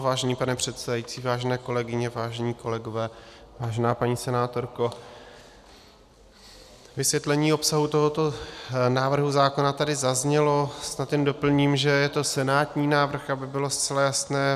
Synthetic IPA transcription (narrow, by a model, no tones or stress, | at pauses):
vaːʒɛniːpanɛpr̝̥ɛt̪sɛdajit͡siːvaːʒɛnɛːko̞lɛɡɪɲɛvaːʒɛɲiːko̞lɛɡo̞vɛː | vaːʒɛnaːpaɲiːsɛnaːt̪o̞ɾko̞ | vɪsvjɛt̪lɛɲiːo̞psaɦut̪o̞ɦo̞t̪o̞naːvr̩ɦuzaːko̞nat̪adɪzazɲɛlo̞snat̪jɛndo̞pl̩ɲiːmʒɛjɛt̪o̞sɛnaːt̪ɲiːnaːvr̩xabɪbɪlo̞st͡sɛlajasnɛː